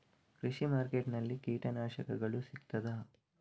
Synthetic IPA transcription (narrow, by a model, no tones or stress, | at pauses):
kɾiʃimaːɾkeʈnɐlːikiːʈɐnaːʃɐkɐɡɐɭusikt̪ɐd̪ɐ